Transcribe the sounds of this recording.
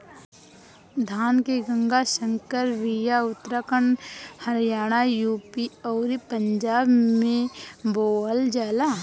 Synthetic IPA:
d̪ʱaːnkeɡə̃ŋɡasə̃ŋkəɾɾijaʊt̪ɾakəɳhɐɾjaːɽ̃ajuːpiɔːɾipəɲd͡ʒaːbmẽboːəld͡ʒaːla

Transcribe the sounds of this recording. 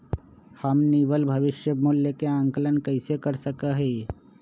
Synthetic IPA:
hɐmniːʋəlbʱɐʋɪʃjəmʊljəkeãːŋkələnkɐɪsekəɾsəkaɦɛː

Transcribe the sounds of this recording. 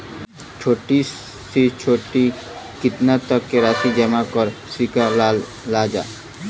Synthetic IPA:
t͡ʃʰoːʈi | sit͡ʃʰoːʈi | kɪt̪nat̪əkːeɾaːsid͡ʒəmakɔɾsikalaː | aːd͡ʒa̰ː

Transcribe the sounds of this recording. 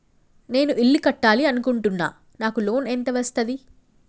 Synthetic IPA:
ne̞ːnuʔiɭːikɐʈːaːliɐnukuɳʈunːa̰ː | naːkulo̞ːnent̪ɐʋɐst̪ɐd̪i

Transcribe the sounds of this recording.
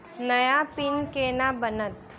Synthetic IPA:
nɐjapɪnkeːnabənət̪

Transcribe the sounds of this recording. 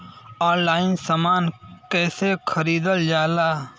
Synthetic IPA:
aːnlaːɪnsamaːnkɛːsekʰəɾiːd̪əld͡ʒaːlaː

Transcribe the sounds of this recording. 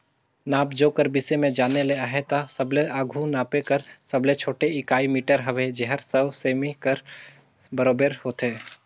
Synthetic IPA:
naːbd͡ʒoːkəɾbɪsemẽd͡ʒaːneleaːɦet̪asɐbleʔaːɡʱunaːpekəɾsɐblet͡ʃʰoːʈeɪkaːimiːʈəɾɦɐʋed͡ʒɛɦəɾsɐʋseːmikəɾ | bəɾoːbeɾhoːt̪eː

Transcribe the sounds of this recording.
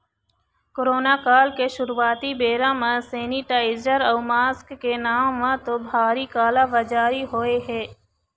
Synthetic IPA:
koɾoːnaːkaːlkeʃʊɾʋaːt̪ibeːɾãmãseːniʈaːɪd͡ʒəɾɔːmaːskːenaːmʋãt̪obʱaːɾikaːlaːʋəd͡ʒaːɾiɦoːeɦɛː

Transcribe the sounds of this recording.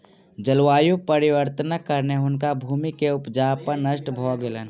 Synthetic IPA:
d͡ʒəlwaːjupəɾɪwəɾt̪ənakəɾneɦʊnkabʱuːmikeʊpd͡ʒaːpəɾnəʃʈbʱɔɡelən

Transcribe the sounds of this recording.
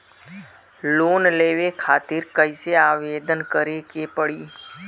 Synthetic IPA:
loːnleːʋekʰaːt̪ɪɾkəɪseaːʋeːd̪ənkəɾekepəɽiː

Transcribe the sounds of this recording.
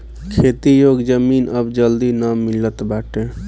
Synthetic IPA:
kʰet̪ijoɡd͡ʒəminəbd͡ʒəld̪inamːilət̪baʈẽ

